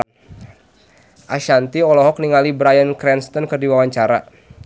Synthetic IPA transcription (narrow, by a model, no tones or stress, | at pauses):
ʔaʃant̪iɔlɔɦɔk̚niŋalibɾajənkɾɛnst̪ɔnkərdiwawaɲt͡ʃaɾa̰